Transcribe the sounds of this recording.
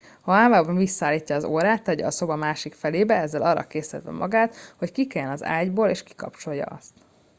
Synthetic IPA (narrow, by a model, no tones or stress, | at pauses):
ɒaːmaːbɒɱvisːɒaːlːiːcːɒːzoːɾaːt̪ːɛɟɛɒso̞bɒmaːʃikfɛleːbɛɛzːɛlʔɒrːɒ̰keːsɛ̰d̪ʋɛ̰mʔɒɡaːt̪ho̞ckikɛjɛnɒza̰ːɟboːleːʃki̥kɒpt͡ʃo̞jːɒ̰ɒ̰st̪